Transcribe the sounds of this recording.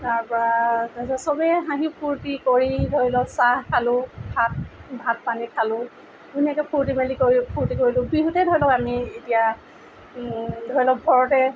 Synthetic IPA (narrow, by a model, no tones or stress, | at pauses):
taɹpɔɹatasɔsɔbɛɦãɦĩpʰuɹtikoɹidʱɔɹilɔsaɦkʰalʊ̃bʱat̚bʱat̚panikʰalʊ̃ | ɡunɛkɛpʰuɹtimalikoɹipʰuɹtikoɹilʊ̃biɦutɛdʱɔɹilɔkamietija | dʱɔɹilɔbʱɔɹɔtɛ